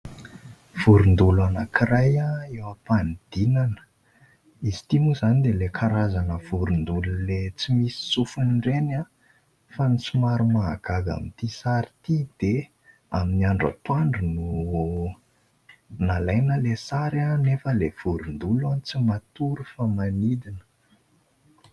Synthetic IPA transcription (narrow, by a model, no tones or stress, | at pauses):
v̥uɾund̪uluanakirajaewapand̪̥inanə̥ | izi̥t̪imuzanid̪elekʰaɾazanəv̥uɾund̪ululet͡simisi̥sufunɖ͡ʐena | fanisumaɾumaaɡ̥aɡa̰mit̪isaɾit̪id̪̥e | aminiaɳɖ͡ʐa̰t̪waɳɖ͡ʐunu | nalajnəlesaɾanefəlev̥uɾund̪ulant͡simat̪uɾufamanid̪inə̥